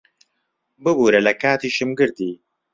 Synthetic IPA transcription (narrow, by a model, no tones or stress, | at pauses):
bɨbuːɾɐlɐkaːt̪iːʃɨmɡɨɾd̪iː